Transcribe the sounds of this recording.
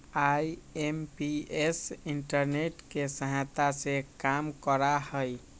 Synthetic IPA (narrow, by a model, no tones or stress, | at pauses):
ajempiesiɳʈəɾneʈkesəɦat̪asekamkəɾahəj